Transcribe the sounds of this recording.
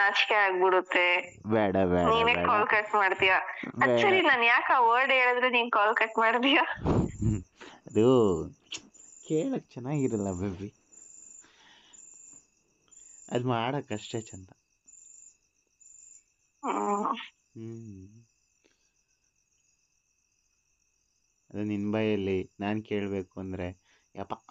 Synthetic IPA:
at͡ʃkeaːɡ̚biɽut̪ːe | bɛːɽɐbɛ̰ːniːneːkaːlkɐʈmaːɖt̪ijabɐsɐɾinaːnjaːkaːʋəɾɖeːɭɐd̪ɾeniːnkaːlkɐʈmaːɽt̪ija | ɐd̪u | keːɭɐkːet͡ʃɐnːaːɡiɾɐlːɐbebi | ɐ̰d̪maːɽɐkɐʂʈet͡ʃɐnt̪ɐ | ɐd̪uninbɐjɐlːinaːnke̞ːɭbe̞ːkuɐnd̪ɐɾe̞ | apːa

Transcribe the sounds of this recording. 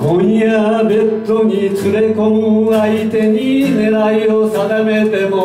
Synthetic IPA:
kõj̃jabe̞t̪ːoɲit͡sɨɾe̞kõŋait̪e̞ɲine̞ɾaiosaɡame̞t̪e̞mo

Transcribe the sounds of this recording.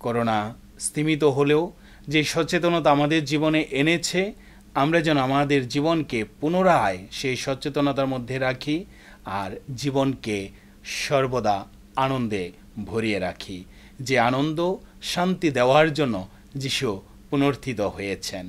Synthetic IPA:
koɾona | st̪ʰimit̪̬oɦoleo | d͡ʑejʃɔt͡ɕet̪̬onot̪aamad̪eɾd͡ʑiboneʔenet͡ɕʰe | amɾad͡ʑɛnːoamad̪eɾd͡ʑibonkepunoɾaeʃejʃɔt͡ɕet̪onat̪aɾmod̪ʱːeɾakʰi | aɾd͡ʑibonke | ʃɔɾbod̪a | anond̪e | bʱoɾieɾakʰi | d͡ʑeanond̪oʃant̪id̪eoaɾd͡ʑonːo | d͡ʑiʃu | punoɾt̪ʰit̪oɦojet͡ɕʰen

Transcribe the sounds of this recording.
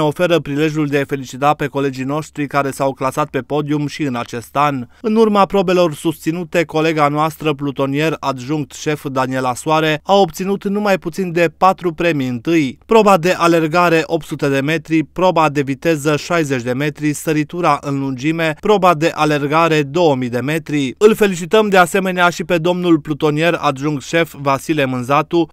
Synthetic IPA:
o̞fe̞ɾəpɾile̞ʒjuld̪eajfe̞lit͡ʃit̪ape̞ko̞le̞d͡ʒijno̞ʃt̪ɾikaɾe̞sawklasat̪̚pe̞po̞d̪iumʃiɨnat͡ʃe̞st̪anɨnurmapɾo̞be̞lo̞rsust̪sinut̪e̞ko̞le̞ɡanoast̪ɾəplut̪o̞nie̞rad̪ʒuŋk̚t̪ʃe̞fd̪anie̞lasuaɾe̞ao̞pt̪sinut̪numajput̪sind̪e̞pat̪ɾupɾe̞miɨnt̪ɨjpɾo̞bad̪e̞ʔale̞rɡaɾe̞ʔo̞p̚t̪sut̪e̞d̪e̞me̞t̪ɾipɾo̞bad̪e̞vit̪e̞zəʃajze̞t͡ʃʲd̪e̞me̞t̪ɾisəɾit̪uɾaʔɨnlund͡ʒime̞pɾo̞bad̪e̞ʔale̞rɡaɾe̞d̪o̞wəmijd̪e̞me̞t̪ɾiɨlfe̞lit͡ʃit̪əmd̪e̞ase̞me̞neaʃipe̞d̪o̞mnulplut̪o̞nije̞ra̰d̪ʒuŋkt̪ʃe̞fvasilemɨnzat̪u

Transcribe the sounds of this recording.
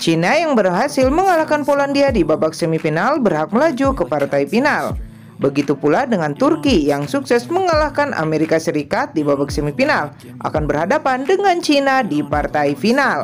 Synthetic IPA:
t͡ʃinajaŋbərɦasilməŋalahkanpolandiadibabaksəmifinalbərɦak̚məlad͡ʒukəpart̪aipinal | bəɡit̪upuladəŋant̪urkijaŋsuksɛsməŋalahkanʔa̰meɾikasəɾikat̪̚dibabak̚səmifinal | ʔa̰kanbərhadapandəŋant͡ʃinadipart̪aifinal

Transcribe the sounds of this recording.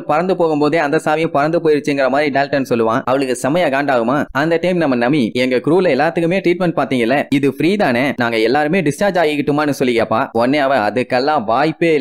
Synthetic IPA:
pɐɾɐnd̪ɯpoːɣɯmpoːðeːɐnd̪ɐsaːʋɪjʊ̃pɐɾɐnd̪ɯpoːjɪɾɯt͡ʃːɯɪŋɡɪɾɐmaːd̪ɾiɖɐːlʈɐnːɯsɔlːɯʋãːʔɐʋɐɭɯkːɯsɐmɐjaːɣaːɳɖaːɣɯmaːɐnd̪ɐʈɐɪmnɐmːɐnɐmːiɛŋɡɐkɾuːlɐɛlːaːt̪ːɯkːɯmeːʈɾiːʈ̚mɛɳʈ̚paːɾt̪iːŋɡɐɪlːɐɪðɯfɪɾiːðaːnenaːŋɡɐɛlːaːɾɯmeːɖɪst͡ʃaːɾd͡ʒaːɣɪkːɪʈːɯmaːnːɯsɔlːɪkeɐpːaːɔnːeɐʋɐ̃ɐ̰ðɯkːɛlːãːʋaːjpːeː

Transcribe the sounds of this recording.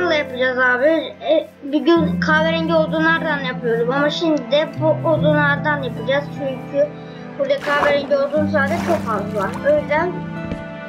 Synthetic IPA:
aɾlˠajapɯd͡ʒazaːbɪ | biɟynkʰaːveɾinɟʲɛo̞lˠd̪uːnˠaɾd̪anjapʰɯjo̞ɾd̪umamaʃimd̪id̪ɛbuolˠd̪uːnlˠaɾd̪anjapʰɯd͡ʒaz̥t͡ʃʰuɲkʰy | buɾd̪akʰaːveɾinɟʲio̞lˠd̪uːnsaːd̪ɛt͡ʃʰo̞kfazlˠɯvaɾøjdʲɛ

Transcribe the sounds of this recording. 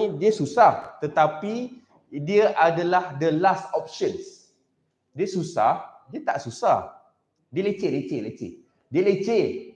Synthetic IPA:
diəsusaht̪ət̪api | diəʔadalahdəlast̪ɔp̚ʃə̃ns | diəsusa̰hdiət̪a̰ʔsusah | diəlet͡ʃelet͡ʃelet͡ʃḛʔ | diəlet͡ʃe

